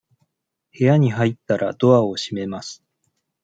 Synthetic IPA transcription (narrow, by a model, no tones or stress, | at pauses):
he̞jaɲ̟iɦait̪ːaɾʔa̰d̪̥o̞ao̞ɕime̞masɨ̥